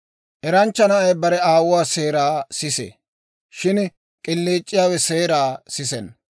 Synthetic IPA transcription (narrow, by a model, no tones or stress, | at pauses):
ʔɛɾɐnt͡ʃːɐnɐʔɐjbɐɾɛaːwʊwaːse̞ːɾaːsɪsḛ | ʃɪn | kʼɪlːeːt͡ʃʼːɪjaːwɛseːɾaːsɪsɛn